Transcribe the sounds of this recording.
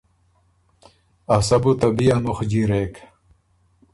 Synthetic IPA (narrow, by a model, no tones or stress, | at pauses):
ɐsɐbut̪ɐbijanuxd͡ʑiɾek